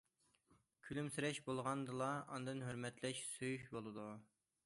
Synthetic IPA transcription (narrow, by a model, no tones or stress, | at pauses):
kʲʰylymsyɾɛʃbolˠʁɑnd̪ɨlˠɑɑnɨd̪ɨnɦøɾmɛt̪lɛʃsøjyʃbolˠɨd̪u